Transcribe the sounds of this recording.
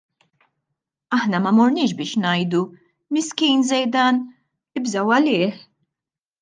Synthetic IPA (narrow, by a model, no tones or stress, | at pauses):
ɐħnɐmɐmɔɾnɪːʃ̬bɪːʃnɐjd̪u | mɪskiːnzɛjd̪ɐːn | ɪbzɐwɐlɪːħ